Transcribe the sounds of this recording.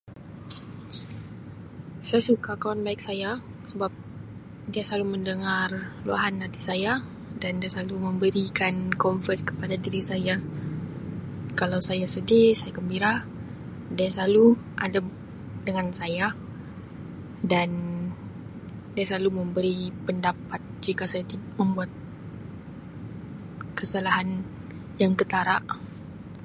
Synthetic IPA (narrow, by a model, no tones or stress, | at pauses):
sajasukakawanbaɪk̚saja | səbap̚ | diasaluməndəŋarlua̰ɦanːãt̪i̥saja | dandiasalumə̃mbəɾikankɔɱfərt̪̚kə̥padadiɾisaja | kalawsajasədɪsajakəmbiɾa | daasaluʔa̰da | dəŋansaja | dan | daasaluməmbəɾipəndapat̪̚d͡ʒikasajat̪imə̃mbuat̪̚ | kəsalaɦan | jaŋkət̪aɾaʔ